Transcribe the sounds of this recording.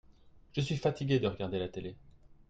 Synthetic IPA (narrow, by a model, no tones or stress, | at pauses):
ʒ̥əsɥifat̪iɡʲed̪əʁəɡaʁd̪elat̪ele